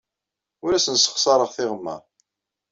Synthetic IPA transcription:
ʊɾæsənsə̥χsɑɾˤəʁθɪʁəmːə̰ɾ

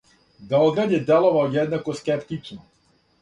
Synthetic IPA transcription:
d̪aɔɡ̪ɾad̪ʲɛd̪ɛlˠɔvaɔd̪ɛd̪nakɔskʲɛpt̪it͡ʃnɔ

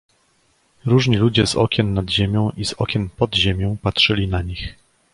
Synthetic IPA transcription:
ɾuʐɲilud͡ʑɛzɔ̰kʲɛnːad̪ʑemʲjɔ̃w̃ʔiz̥ɔkʲɛnpɔd̪ʑemʲjɔ̃w̃patʂɘlʲinaɲix

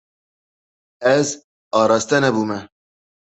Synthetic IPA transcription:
ɛz | ɑːɾɑːst̪ɛnɛbuːmɛ

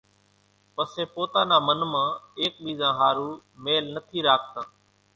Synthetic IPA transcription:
pəseːpoːt̪ãːnaːmənmãːeːk̚ɓiːzãːɦaːɾuːmeːlnət̪ʰiːɾaːk̚t̪ãː

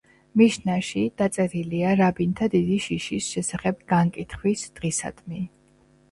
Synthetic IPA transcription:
miʃnaʃid̪̥at̪sʼɛɾiliaɾabint̪ʰad̪id̪iʃiʃisʃɛsaχɛbɡaŋkʼit̪ʰχwisd̪̥ʁisa̰d̪̥mi

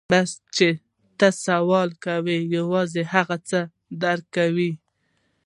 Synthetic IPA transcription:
bast͡ʃe | t̪əsawɑlkawejawɑzehaɣat͡sə | d̪aɾkːawi

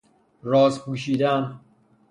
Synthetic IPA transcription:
ɾɒːzpuːʃiːd̪æn

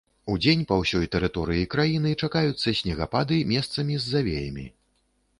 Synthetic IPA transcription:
ud͡zʲenʲpɐwsʲɔjt̪ɛɾɨt̪ɔɾɨjikɾajinɨt͡ʂakajut̪sːɐsʲnʲɛɣapad̪ɨmʲɛst̪sɐmʲizʲːavʲḛjɐ̰mʲḭ

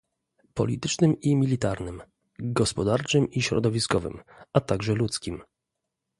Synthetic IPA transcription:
pɔ̰lʲit̪ɘt͡ʂnɘmimʲilʲit̪aɾnɘm | ɡɔspɔd̪aɾt͡ʂɘmiɕɾɔ̰d̪ɔvʲiskɔvɘ̰mat̪aɡʐɛlut̪skʲim

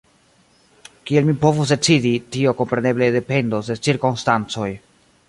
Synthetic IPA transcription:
kielmipo̞vus̬de̞t͡siditio̞ko̞mpɾe̞ne̞ble̞de̞pe̞ndosde̞t͡siɾkonstant͡so̞j

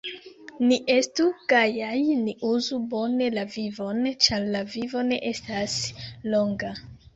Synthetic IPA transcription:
niʔe̞stuɡ̥ajajniʔuzubo̞ne̞lavivo̞nt͡ʃaɾlavivo̞ne̞̰ʔe̞staslo̞ŋɡa

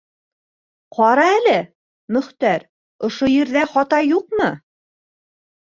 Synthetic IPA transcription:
qʰɒɾɑælɘ | mɵ̆χt̪æɾ | ŏʃojĭɾðæχɒt̪ɑjuqmɤ

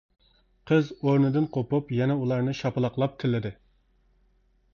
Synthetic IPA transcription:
qʰəzoɾnɨd̪ɨnqʰopupjɛnɛulˠɑɾnɨʃɑpɨlˠɑqlˠɑp̚t̪ʰɪlːɪd̪ɪ

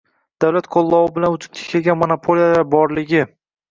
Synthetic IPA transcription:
d̪̥awlat̪qʰolˠːɒwɪbɪlanʊt͡ʃ̪ʰɪ̥pt̪ʰɪ̥kʲʰeɡʲanmonapʰolijad̪abɒɾlɪɡʲɪ

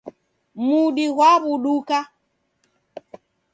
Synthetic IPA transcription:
muɗiɣwaβuɗuka

